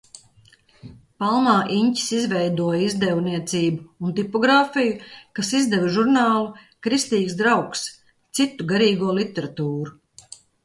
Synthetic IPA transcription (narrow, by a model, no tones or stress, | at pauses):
palˠmaːʔiɲci̥sizvɛjd̪uɔjizd̪ɛwniɛt̪siːbuːnt̪ipɔɡɾaːfijukasizd̪ɛvʒuɾnaːlˠu | kɾist̪iːkzsd̪ɾawks | t̪sit̪ːuɡaɾiːɡuɔlˠit̪ːɛɾat̪uːɾu